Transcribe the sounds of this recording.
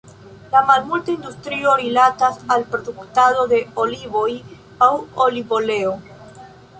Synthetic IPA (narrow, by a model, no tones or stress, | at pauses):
lamalmultaindustɾio̞ɾilatasalpɾo̞duktado̞de̞olivo̞j | awolivole̞o